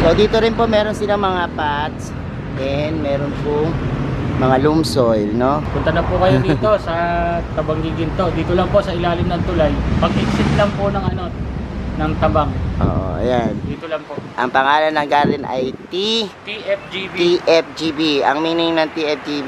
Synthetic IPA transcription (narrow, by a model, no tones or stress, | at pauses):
sod̪iːt̪o̞ɾɪnpo̞mɛːɾo̞nsɪlaŋmɐŋapat̪̚s | ʔɛnd̪mɛːɾonpʊŋmɐŋalumsojlno̞pʊnt̪ɐnɐpʊkɐjod̪ːt̪o̞sɐt̪ɐbɐŋɡiɡɪnt̪od̪iːt̪olɐŋpo̞ʔsɐɪlaːlɪmnɐnt̪ʊlalpɐɡ̚ɪɡsɪt̪lɐŋponɐŋʔɐno̞nɐŋt̪ɐbaŋʔo̰ːʔo̰ʔɐ̰jand̪iːt̪olɐŋpoʔʔɐ̰ŋpɐŋaːlɐnːɐŋɡaːlɪnʔɐ̰jt̪it̪iɛp̚d͡ʒib̪iʔɛp̚d͡ʒibiʔɐ̰ŋmiːnɪŋnɐŋt̪iʔɛp̚d͡ʒib